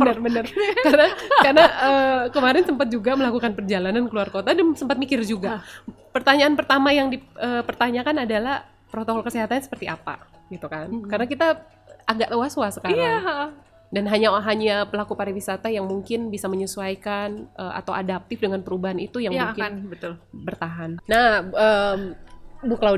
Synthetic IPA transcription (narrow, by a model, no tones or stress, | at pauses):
bənərbənərkaɾənakarənaʔəkəmaɾɪnsəmpat̪̚d͡ʒuɡaməlakukanpərd͡ʒalanankəluarkot̪adasəmpat̪̚mikɪrd͡ʒuɡa | pərt̪aɲaːnpərt̪amajaŋdiəpərt̪aɲakanadalah | pɾot̪okɔlkəseɦat̪aɲasə̥pərt̪iapa̰ | ɡit̪ukankarənakit̪a | ʔaɡaʔt̪owaswasə̥kaɾa | danɦaɲaɦaɲapəlakupaɾiwisat̪ajaŋmuŋkɪnbisaməɲusuajkanʔəa̰t̪awʔa̰dap̚t̪ɪfdəŋanpəɾubaɦanit̪ujaŋmuŋkɪnbət̪ʊlbərt̪aɦanːahəmbukəla